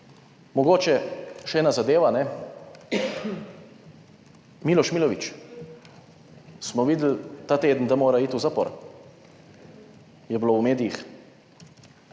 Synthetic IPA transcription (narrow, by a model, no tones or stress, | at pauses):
mɔɡoːt͡ʃɛʃɛɛːnazad̪eːʋanɛ | miːlɔʃmiːlɔʋit͡ʃ | smɔʋiːd̪l̩t̪aːt̪eːd̪n̩d̪amoːɾaiːt̪uwzapɔ̰ɾ | jɛblowmeːd̪ijix